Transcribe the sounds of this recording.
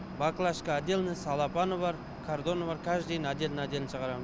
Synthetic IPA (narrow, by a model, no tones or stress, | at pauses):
bɑklˠɑʃkaad̪e̞lʲnɪsɑlˠɑpɑnəbɑɾ | kʰaɾd̪o̞nəbɑɾkʲʰæʒd̪ejɪnæd̪e̞lʲnæd̪e̞lʲnʃəʁɑɾɑməz